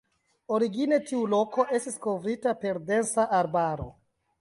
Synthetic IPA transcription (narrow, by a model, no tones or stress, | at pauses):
o̞ɾiɡine̞tiulo̞ko̞ʔe̞stisko̞vɾitape̞ɾde̞nsaʔaɾbaɾo̞̰